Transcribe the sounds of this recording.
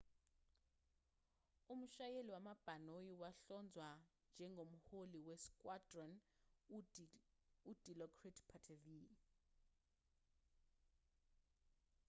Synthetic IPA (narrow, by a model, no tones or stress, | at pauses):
um̩ʃajeliwamab̥ʱanojiwaɬɔnd͡zʱwand͡ʒʱɛŋɡʱomuholiwɛskʼwadrɔn | ud̥ʱilɔkʰritpʰatʰivi